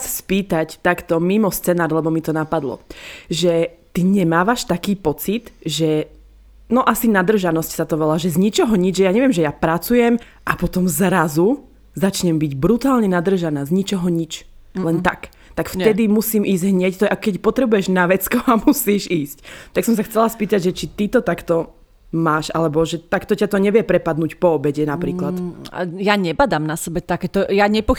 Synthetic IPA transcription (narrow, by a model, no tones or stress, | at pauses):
sspiːt̪act̪akt̪ɔmimɔst͡sɛnaːɾlɛbɔmit̪ɔnapad̪lɔ̰ʒɛ | t̪iɲɛmaːʋaʃt̪akiːpɔt͡sit̪ʒɛ | nɔʔasinad̪r̩ʒanɔscsat̪ɔʋɛlaːʒɛzɲit͡ʃɔɦɔɲid͡ʒʒɛjaɲɛʋɛmʒɛjapɾat͡sujɛm | ʔapɔt̪ɔmzɾazu | zat͡ʃɲɛmbiɟbɾut̪aːlɲɛnad̪r̩ʒanaːzɲit͡ʃɔɦɔɲit͡ʃlɛnt̪a̰k | t̪akft̪ɛd̪imusiːmiːzɟɦɲɛct̪ɔʔakɔkɛcpɔt̪ɾɛbujɛʒnaʋɛt͡skɔamusiːʒiːsct̪aksɔmsaxt͡sɛlaspiːt̪aɟʒɛt͡ʃit̪it̪ɔt̪akt̪ɔ | maːʃalɛbɔʒɛt̪akt̪ɔcat̪ɔɲɛʋjɛpɾɛpad̪nuːcpɔɔbɛɟɛnapɾiːklat̪a̰jaɲɛbad̪aːmnasɛbɛt̪akɛt̪ɔjaɲɛpɔ